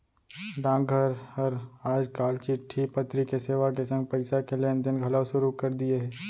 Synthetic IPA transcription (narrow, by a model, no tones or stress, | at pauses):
ɖãːŋɡɡʱəɾhəɾaːd͡ʒkaːlt͡ʃɪʈʰːipɐt̪ɾikeseːʋakesɐ̃ŋɡ̚pɐɪsakeleənd̪ɪnɡʱɐlawʃʊɾukɐɾd̪ieɦɛː